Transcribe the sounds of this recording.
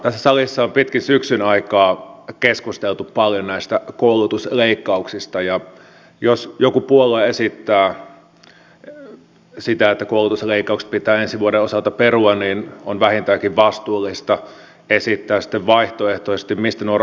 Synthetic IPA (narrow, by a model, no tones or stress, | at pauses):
t̪æsːæsɑlisːɑompit̪kinsyksynɑikɑːkeskust̪elt̪uppɑljonæist̪ækoulut̪usleikːɑuksist̪ɑjɑ | josjokupuolːˑɑesit̪ːæː | sit̪æet̪ːækoulut̪usleikːɑˑukse̥pit̪ˑæːensiʋuoɾeosɑlt̪ɑperuɑnniːnonʋæhint̪æːkiʋʋɑst̪uːlːist̪ɑ | esit̪ːæːsi̥t̪ːeʋʋɑiht̪oeht̪osest̪immist̪ænuor